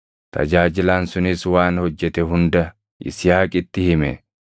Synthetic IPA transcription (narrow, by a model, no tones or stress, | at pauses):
t̪ʰɐ̰d͡ʒaːd͡ʒɪlaːnsʊnɪswaːnhɔd͡ʒːɛt̪ɛɦʊnd̪ɐ | ʔɪ̰sɪjaːkʼɪt̪ːɪhɪmɛ̰